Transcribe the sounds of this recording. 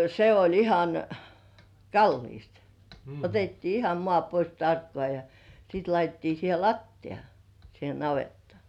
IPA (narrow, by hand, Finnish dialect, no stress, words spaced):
se olʲ ihɑn kɑlːiːst otetːiː ihɑm mŏɑˑ pois tɑrkːŏɑˑ jɑ siˑt lɑitetːiː siːhe lɑtːij̆ɑ siːhe nɑʋetːŏɑˑ